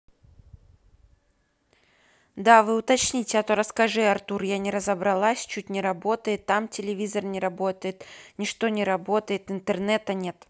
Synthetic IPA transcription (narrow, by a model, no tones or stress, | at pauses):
d̪avɨʊt̪ɐt͡ɕnʲitʲɪɐt̪oɾəskɐʐɨɐrt̪urjanʲɪɾəzəbɾɐlˠasʲt͡ɕut̚ʲnʲɪɾɐbo̞t̪əjɪt̪ːamtʲɪlʲɪvʲizərnʲɪɾɐbo̞t̪əjɪt̪nʲɪʂt̪o̞nʲɪɾɐbo̞t̪əjɪt̪ɨnt̪ɨrnɛt̪ənʲe̞t̪